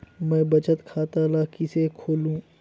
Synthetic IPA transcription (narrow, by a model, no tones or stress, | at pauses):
mɛ̃ːbɐt͡ʃət̪kʰaːt̪alakisekʰoːlũː